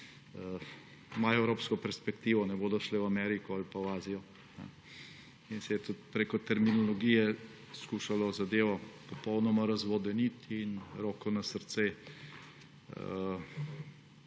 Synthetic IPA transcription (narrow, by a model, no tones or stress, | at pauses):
ə | maɛwɾoːpskɔpɛɾspɛkt̪iːʋɔnɛboːd̪ɔʃlɛwamɛːɾikɔalpawaːzijɔ | nɛ̰ | insɛjɛt̪ut̪̚pɾeːkɔt̪ɛɾminɔlɔɡijɛ | skuʃalɔzad̪eːʋɔpɔpɔwnɔmaɾɐzʋɔd̪ɛnit̪inɾoːkɔnasəɾt̪se